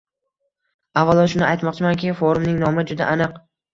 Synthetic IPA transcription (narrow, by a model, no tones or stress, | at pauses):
avːalˠɒʃʊnɪajt̪mɒq̚t͡ʃʰɪmankʲɪfoɾʊmnɪŋnɒmɪd͡ʒʊd̪a̰ʔanɨq